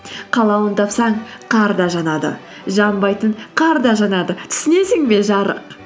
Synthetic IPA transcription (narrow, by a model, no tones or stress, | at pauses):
qʰɑlˠɑwənt̪ʰɑpsɑɴqʰɑɾd̪ɑʒɑnɑd̪ə̰ | ʒɑmbɑjt̪əɴqʰɑɾd̪ɑʒɑnɑd̪ət̪ʰʏ̥sɪne̞sɪŋbe̞ʒɑɾə̰q